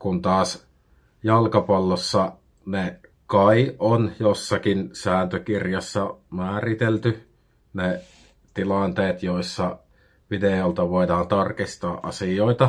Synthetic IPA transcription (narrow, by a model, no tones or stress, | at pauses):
kunt̪ɑːs | jɑlkɑpɑlːosːɑ | nekɑiʔonjosːɑkinsæːnt̪økirjɑsːɑmæːrit̪elt̪y | ne | t̪ilɑˑnt̪eːt̪joisːɑ | ʋideolt̪ɑʋoˑidɑːnt̪ɑrkist̪ɑːʔʔɑ̰sijoˑit̪ɑ